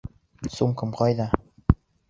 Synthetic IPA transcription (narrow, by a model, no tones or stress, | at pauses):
sumkɤ̆mqɑjd̪ɑ